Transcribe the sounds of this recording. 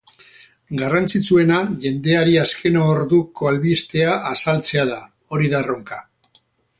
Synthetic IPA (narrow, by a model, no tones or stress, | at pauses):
ɡarant͡sit͡sue̞naʝe̞nd̪e̞aɾiaskʰe̞noːɾðuko̞alβist̪e̞aʔasalt͡se̞aða | o̞ɾiðaro̞ŋka